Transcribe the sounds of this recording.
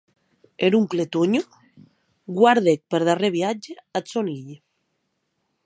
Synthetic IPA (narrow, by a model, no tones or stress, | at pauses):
eɾuŋklet̪oɲo | ɡwaɾðek̚peɾðareβjad͡ʒeasoniʎ